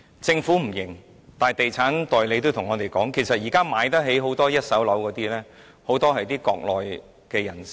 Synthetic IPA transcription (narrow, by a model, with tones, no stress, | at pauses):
t͡sɪ˧ŋfuː˨˥m̩˨˩jɪ˨˩ŋ | t̪aː˨˩jt̪e˨jt͡sʰaː˨˥nt̪ɔː˨jle˨˧jt̪o˥wt̪ʰʊ˨˩ŋːɔː˨˧t̪e˨jkɔː˨˥ŋkʰe˨˩jsɐ˨t̚jiː˨˩kaː˥maː˨˧jt̪ɐ˥t̚ɦe˨˥jɦo˨˥wt̪ɔː˥jɐ˥t̚sɐ˨˥wlɐ˨˧˥wkɔː˨˧˥t̪iː˥lɛː˥ | ho˨˥wt̪ɔː˥ɦɐ˨jt̪iː˥kɔː˧k̚lɔː˨j | kɛː˧jɐ˨˩ns